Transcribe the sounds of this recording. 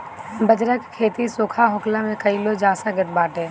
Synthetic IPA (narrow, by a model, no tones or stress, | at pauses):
bəd͡ʒɾəkkʰːeːt̪isoːkʰaɦʊklamẽkɐilod͡ʒaːsaɡət̪̚baːʈeː